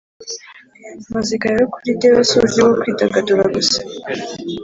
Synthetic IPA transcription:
mazikajokuɾideβasoɡiβokwiːtaɡaduɾaɡusḁ

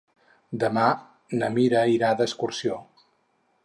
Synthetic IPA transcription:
d̪əma | nəmiɾəiɾad̪əskuɾsio

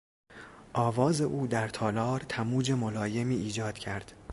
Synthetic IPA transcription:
ʔɒːvɒːze̞ʔuːd̪æɾt̪ʰɒːlɒːɾt̪ʰæmuːd͡ʒe̞molɒːje̞miːʔiːd͡ʒɒːd̪̥cʰæɾd̪̥

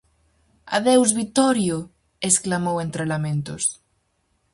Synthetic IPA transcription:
a̰ðewzβit̪ɔɾjo | esklamowent̪ɾelamẽnt̪os

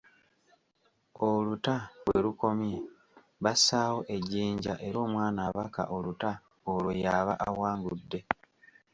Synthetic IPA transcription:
olutaβweluko̞mje | βasaːwo̞ʔe̞ɟiːɲɟa̰ʔe̞ɾo̞ːmwaːnaβaka̰ʔo̞luta | olwo̞jaːβa̰ʔawaːŋɡudːe̞

